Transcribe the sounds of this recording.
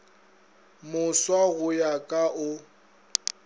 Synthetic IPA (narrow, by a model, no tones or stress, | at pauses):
mʊswaɣʊjakʼaʔʊ